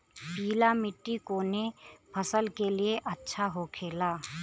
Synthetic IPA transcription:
piːlamɪʈːikoːnepʰɐsəlkelieʔɐtːʃʰaɦokʰeːlaː

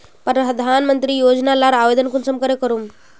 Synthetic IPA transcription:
pɾəd̪ʱanmənt̪ɾiːjod͡znalaɾaʋed̪ənkunsəmkəɾjekəɾuːm

